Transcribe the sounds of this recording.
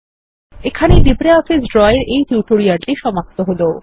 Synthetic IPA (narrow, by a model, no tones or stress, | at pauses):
ekʰaneɖibɾeɔfisɖɾɔeɾejfjuʈoɾiaɾʈiʃɔmap̚t̪oɦolo